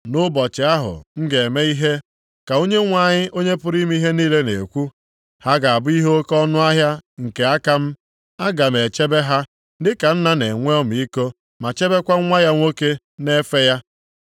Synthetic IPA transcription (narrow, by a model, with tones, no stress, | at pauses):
nʊ˦bɔ˨t͡ʃɪ˨a˦ɦʊ̰˨ŋ̩˦ɡe˨me˦i˦ɦe˦ | ka˨o˦ɲe˦ŋʷa˦˨ɲɪ˦ʔo˦ɲe˦pʊ˦ɾi˦m˦i˦ɦe˦niː˦le˦nḛ˨kʷu˦ | ha˦ɡa˨a˨bʊ˦i˦ɦo˦o˦kɔ˦nʊ˦a˦ɦja˦ŋ̩˨ke˨a˦ka˦m̩˦ | a˦ɡa˨m̩e˨t͡ʃe˦be˦ɦa˦ | dɪ˦ka˨n̩˦na˦ne˨ŋʷe˦ɔ˦m˨i˦ko˦ | ma˨t͡ʃe˦be˦kʷa˦ŋʷa˦ja˦ŋʷo˦ke˦ | ne˦fe˦ja˦